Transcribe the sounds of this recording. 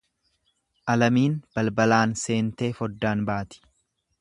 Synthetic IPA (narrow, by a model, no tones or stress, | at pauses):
ʔɐlɐmiːnb̥ɐlbɐlaːnse̞ːnt̪e̞ːfɔd̪ːaːnbaːt̪ɪ̥